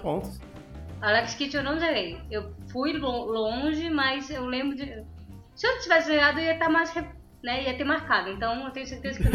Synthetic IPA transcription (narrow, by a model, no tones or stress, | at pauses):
põt̪ | alɛkɪ̥skit͡ʃɪewnɐ̃w̃ʒeɡejewfujõlõʒɪmɐjzewlẽmbɾʊd͡ʒɪ | sɪet͡ʃivɛsɪʒeɡad̪ʊiɐt̪amajshe | nɛiɐt̪eɾmaɾkad̪ʊẽnt̪ɐ̃w̃nt̪ẽj̃ʊseɾt̪ezɐkke